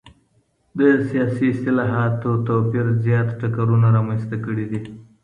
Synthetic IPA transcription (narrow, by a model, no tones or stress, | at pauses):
d̪əsijɑsiɪst̪ɪlɑɦat̪ot̪opiɾzjɑt̪ʈakaɾunaɾɑmanst̪akəɽid̪i